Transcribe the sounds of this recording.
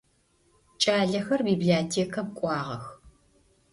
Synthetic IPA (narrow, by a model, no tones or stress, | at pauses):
t͡ʃʼaːɮɐxɐrbiːbiaːtʰeːkʰɐmkʷʼɑːʁɐ̰x